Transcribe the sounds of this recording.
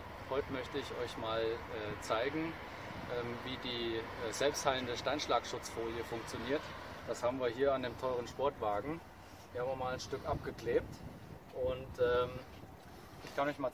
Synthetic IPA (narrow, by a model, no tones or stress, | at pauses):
hɔʏtəmœçtəɪçʔɔʏçmaːlʔɛːt͡saɪɡŋ̩ | ʔɛːmviːdiː | ɛzɛlpsthaɪləndəʃtaɪnʃlaːkʃʊt͡sfoːljəfʊŋk̚t͡sjoniːɐtd̥ashaːbm̩viːɐɦiːɐandeːmtʰɔʏʁ̞ənʃpɔɐtv̥aːɡŋ̩ | vɐhaːmɐmaːlanʃtʏkʔap̚ɡ̥əkleːp̚t | ʔʊntʔɛːm | ʔɪçkʰanɔʏçmaː